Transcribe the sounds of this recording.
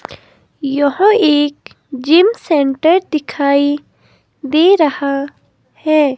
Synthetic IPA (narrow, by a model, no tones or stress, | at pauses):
jɔɦə̃eːk | d͡ʒɪmseɳʈəɾd̪ɪkʰaːi | d̪eːɾɐha | hɛː